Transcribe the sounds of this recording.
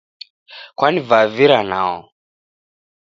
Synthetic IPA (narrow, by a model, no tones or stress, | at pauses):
kwanivaviɾana̰ɔ̰